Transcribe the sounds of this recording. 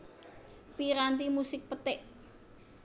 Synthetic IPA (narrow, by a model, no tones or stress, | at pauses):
piɾant̪imusɪk̚pət̪ɪʔ